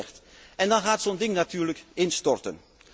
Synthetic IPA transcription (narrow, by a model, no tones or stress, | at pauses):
xt | ɛndɑnxaːtsondɪŋnatyːrləkɪnstɔrtə̰n